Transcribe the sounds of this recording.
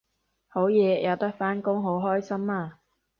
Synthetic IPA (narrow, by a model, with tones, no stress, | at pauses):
ho˨˥wjɛː˨˧jɐ˨˧wt̪ɐ˥k̚faː˥nkʊ˥ŋɦo˨˥wɦɔː˥jsɐ˥maː˧